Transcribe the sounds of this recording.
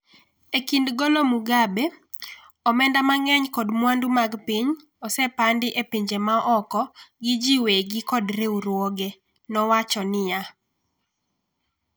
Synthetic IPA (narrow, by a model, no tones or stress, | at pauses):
ekindɡolomuɡabe | ɔmɛndamaŋɛɲkɔdmwandumaɡpiɲ | ɔsɛpandɪʔepiɲd͡ʒemaʔɔkɔɡɪd͡ʒiweɡɪkɔdɾeuɾwoɡe | nɔwat͡ʃɔnɪja